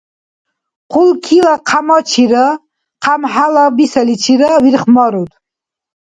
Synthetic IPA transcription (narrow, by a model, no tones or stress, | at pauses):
qʰulkʰilaqʰamɔt͡ʃʰiɾə | qʰamħalabisɛlit͡ʃʰiɾəviɾχmɑɾut̪